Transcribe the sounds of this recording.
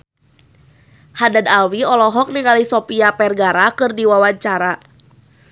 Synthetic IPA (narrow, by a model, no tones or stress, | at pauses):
hadadalwiɔlɔɦɔk̚niŋalisɔpiapɛrɡaɾakɨrdiwawaɲt͡ʃaɾa